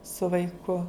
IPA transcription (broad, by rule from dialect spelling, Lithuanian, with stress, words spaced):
sʊ ʋɐɪˈkʊ